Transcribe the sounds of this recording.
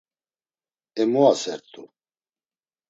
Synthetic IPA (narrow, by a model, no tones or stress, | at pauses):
ɛmuasɛɾt̪ʰʼu